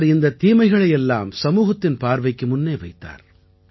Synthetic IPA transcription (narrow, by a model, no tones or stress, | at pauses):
ɾɪnd̪ɐt̪iːmɐɪɣɐɭɐjɛlːa̰ːmsɐmuːɣɐt̪ːɪnpaːɾʋɐɪkːɯmʊnːeːʋɐɪt̪ːa̰ːɾ